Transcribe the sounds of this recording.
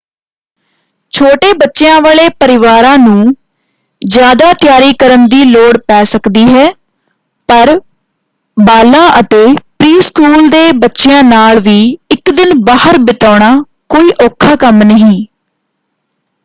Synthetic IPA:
t͡ʃʰoːʈeːbətːʃejãːʋaːɭeːpəɾɪʋaːɾãːnũː | d͡ʒjaːd̪aːt̪ɪjaːɾiːkəɾənd̪iːloːɽpɛːsəkd̪iːɦɛː | pəɾ | baːlãːʔət̪eːpɾiːskuːld̪eːbətːʃɪjãːnaːlʋiːɪkd̪ɪnbaːɦəɾbɪt̪aːɳ̃aː | koːiːʔoːkʰːaːkəmnəɦĩː

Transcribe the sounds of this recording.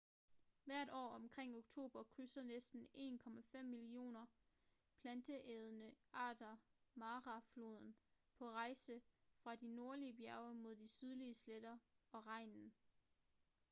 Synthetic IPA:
ʋæɐ̰ɾ̥ɒ̰ːɒ̽mkʰʁeŋ̰oɡ̥̚t͡sʰo̝̰ːb̥ɐkʰʁysɐnesd̥n̩e̝̰ːnkʰɒ̽mæfem̰ːilio̝̰ːnɐ | pʰlænd̥əʔɛð̞ˠənəɑ̰̈ːd̥ɐmɑ̈ːʁɑflo̝ːð̞ˠn̩ | pʰɒ̽ʁɑ̈ɪsəfʁɑ̈dino̝ɐliəbjæɐʊɐmo̝ð̞̰ˠd̥isyð̞ˠliəsled̥ɐɒ̽ʁɑ̈ɪ̰nn̩

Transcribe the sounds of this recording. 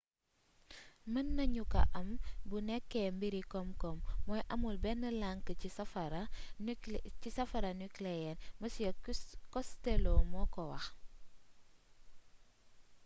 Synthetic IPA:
mɐnːɐɲukɐ̰ʔɐmbunɛkːɛmbiɾikɔmkɔmːɔːjʔɐmulbɛnːəlaŋkəcisɐfɐɾɐ | cisɐfɐɾɐnuklɛjɛnmɐs | kɔstɛlɔmɔːkɔwɐ̰x

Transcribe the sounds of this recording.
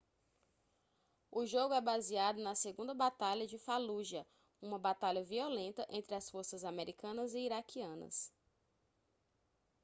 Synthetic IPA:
ʊʒoɡʊɛbaziad̪ʊnɐseɡũnd̪ɐbat̪aʎɐd͡ʒɪfaluʒɐ | ũmɐbat̪aʎɐviolẽnt̪ɐʔẽnt̪ɾɪɐsfoɾsɐzameɾʔikɐ̃nɐzɪiɾakʰiɐ̃nɐ̰s

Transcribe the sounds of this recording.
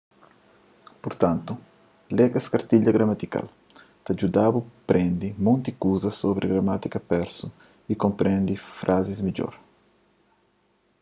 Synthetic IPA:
puɾt̪ant̪u | lɛɡɐskaɾt̪iʎɐɡɾamat̪ika̰l | t̪ad͡ʒud̪abupɾɛ̃nd̪imõnt̪ikuzɐsobɾʔiɡɾamat̪ikɐpɛɾsu | ikompɾɛ̃nd̪ifɾʔazizmiʎo̰ɾ

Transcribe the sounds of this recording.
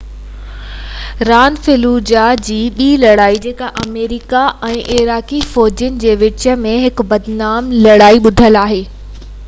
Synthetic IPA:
ɾaːnfɪluːd͡ʑad͡ʑiːɓiːlɐɽaːid͡ʑeːkaʔɐmeːɾɪkaʔɛ̃ːʔɪɾaːkifɔːd͡ʑʊnɪ̆d͡ʑeːʋɪt͡ɕə̆mẽɦɪkbɐd̪naːmlɐɽaːiɓʊd̪ʱəlaːɦeː

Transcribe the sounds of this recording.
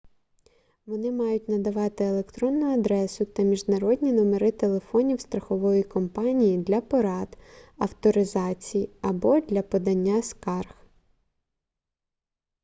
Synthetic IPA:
ʋɔnɪmɑjʊtʲnɐd̪ɐʋɑt̪ɪelˠekt̪ɾɔnːʊɐd̪ɾɛsʊt̪ɐmʲiʒnɐɾɔdʲnʲinɔmeɾɪt̪e̞lˠe̞fɔnʲiwst̪ɾɐxɔʋɔjikɔmpɑnʲijid̪lʲɐpɔɾɑd̪ɐwt̪ɔɾɪzɑt͡sʲijiɐbɔd̪lʲɐpɔd̪ɐnʲːaskɑrx

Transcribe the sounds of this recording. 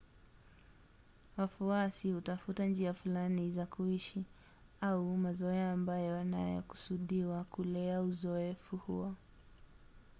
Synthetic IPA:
wafuasihutafutand͡ʒiafulanizakʰuiʃi | aumazɔaːmbajɔna̰jɔ̰ku̥suɗiwakulɛauzɔɛfuhṵɔ

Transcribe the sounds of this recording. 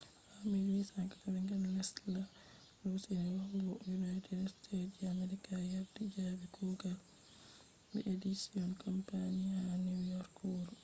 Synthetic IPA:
hamilisakaabɛŋɡanlɛsla | losinɛwaɡɔjunajtʰɛdstʰetd͡ʒameɾikajaɾdid͡ʒaːbikʰuɡal | bɛʔedisiɔnkʰɔmpanianiwjɔɾkɔɾ

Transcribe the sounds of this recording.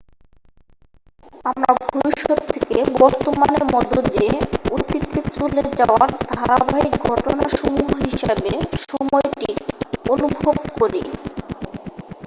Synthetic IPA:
amɾabʱobiʃːot̪t̪ʰːekebɔɾt̪omaneɾmɔd̪od̪d̪ːiieut̪ːit̪it͡ɕuled͡ʑaoaɾd̪ʱaɾabaɦik̚ɡʱɔʈonaʃumuɦɦiʃebeʃɔmɔeʈionubʱobkoɾḭ

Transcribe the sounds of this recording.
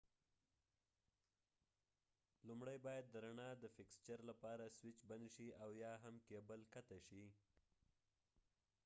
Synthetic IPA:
lumɽajbɑjad̪ːəɾanɑd̪əfɪkst͡ʃaɾlapɑɾaswɪt͡ʃbanʃiawjɑɦamkebəlkat̪aʃi

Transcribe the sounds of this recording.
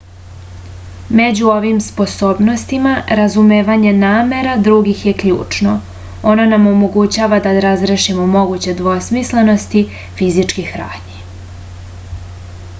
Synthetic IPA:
me̞d͡ʑuoʋimspo̞so̞ːbno̞st̪imaɾazumeːʋaɲe̞naːme̞ɾad̪ɾuɡixje̞kʎṵːt͡ʂno̞ | o̞nonamo̞mo̞ɡut͡ɕaːʋad̪aɾazɾeʃimomo̞ɡut͡ɕe̞d̪ʋosmisle̞no̞st̪i | fizit͡ʃkixɾa̰ːɲi

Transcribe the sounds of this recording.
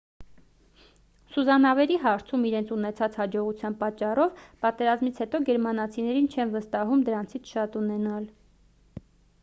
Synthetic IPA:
suzɑnɑvɛɾiɦɑɾt͡sʰumiɾɛnt͡sʰunɛt͡sʰɑt͡shɑd͡ʒɔʁut͡sʰjɑnpɑt͡ʃːɑrɔvpɑt̪ɛɾɑzmit͡sʰhɛt̪ɔɡɛɾmɑnɑt͡sʰinɛɾint͡ʃʰɛnvəst̪ɑɦumd̪əɾɑnt͡sʰit͡sʰʃɑt̪unɛnɑl

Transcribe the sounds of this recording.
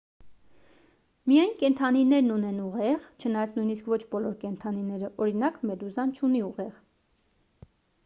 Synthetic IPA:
mijɑjnkɛnt̪ʰɑninɛɾnunɛnuʁɛʁt͡ʃʰənɑjɑt͡sʰnujniskvɔt͡ʃʰbɔlɔɾkɛnt̪ʰɑninɛɾəʔɔɾinɑkmɛd̪uzɑnt͡ʃʰuniuʁɛʁ

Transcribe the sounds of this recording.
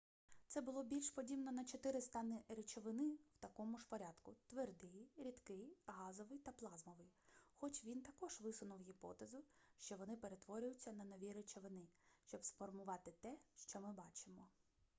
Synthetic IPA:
t̪sɛbʊlˠɔbʲilʲʃpɔdʲibnɔnɐt͡ʃɔt̪ɪɾɪst̪ɑnɪɾet͡ʃɔʋɪnɪwt̪ɐkɔmʊʃpɔɾʲad̪kʊt̪ʋerd̪ɪjɾʲid̪kɪjɦɑzɔʋɪjt̪ɐplˠɑzmɔʋɪjxɔt͡ʃʋʲint̪ɐkɔʒ̥ʋɪsʊnʊwɦʲipɔ̰t̪ezʊʃt͡ʃɔʋɔnɪpe̞ɾet̪ʋɔɾʲʊjʊt͡sʲːɐnɐnɔʋʲiɾet͡ʃɔʋɪnɪʃt͡ʃɔbsfɔrmʊʋɑt̪ɪt̪ɛʃt͡ʃɔmɪbɑt͡ʃɪmɔ

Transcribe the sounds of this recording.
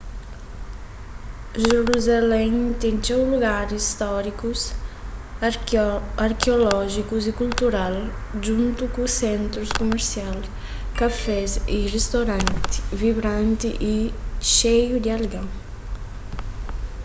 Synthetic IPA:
ʒeɾuzalɛŋt̪ɛnt͡ʃ̪ɛwluɡaɾiist̪ɔɾikus | aɾkeolɔʒikuzikult̪uɾal | d͡ʒunt̪ukusɛnt̪ɾuskumeɾsial | kafɛzirest̪oɾant̪i̥viβɾãnt̪iʔiʃejud̪ialɡaŋ

